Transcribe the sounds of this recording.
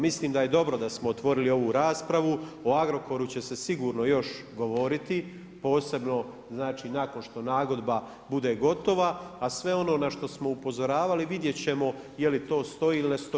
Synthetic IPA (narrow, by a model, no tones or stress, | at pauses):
misliːmd̪aje̞d̪o̞bɾo̞d̪asmoot̪ʋo̞ɾilio̞ʋuɾaːspɾaʋuoaɡɾo̞koɾut͡ɕe̞se̞siɡuːɾno̞jo̞ʃ | ɡo̞ʋo̞ɾit̪i | po̞ːse̞bno̞ | znaːt͡ʃiːnako̞nʃt̪o̞naːɡo̞d̪ba | bud̪e̞ːɡo̞t̪o̞ʋaːsʋe̞o̞no̞ːnaʃt̪o̞smo̞upo̞zo̞ɾaːʋaliʋid̪je̞t͡ɕe̞mo̞ | jelit̪o̞ːst̪o̞iːilinest̪o